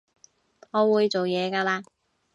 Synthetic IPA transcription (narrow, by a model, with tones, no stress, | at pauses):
ŋɔː˨˧wuː˨˧jt͡so˨wjɛː˨˧kaː˧laː˧